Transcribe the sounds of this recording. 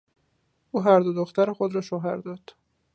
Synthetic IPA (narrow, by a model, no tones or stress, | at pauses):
ʔuːɦæɾd̪od̪oxt̪æɾexod̪ɾɒːʃoɦæɾd̪ɒːd̪̥